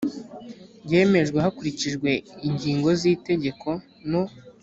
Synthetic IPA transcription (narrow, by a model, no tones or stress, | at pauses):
ɟe̞ːme̞ʒɡweɦakuɾiciʒɡwe̞iɲɟiːŋɡo̞ziːte̞ɟe̞kʰo̞ | no